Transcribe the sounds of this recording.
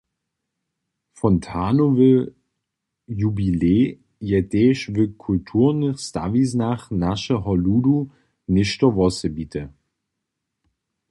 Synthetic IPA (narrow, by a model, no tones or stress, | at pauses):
fɔntʰaːnovɪl | jubileː | jɛdɛːʃvɪkʰultʰuːɐnəsta̰vis̬naχnaʃəɦɔluːdu | nɪʃtɐvɔsəbiːtʰə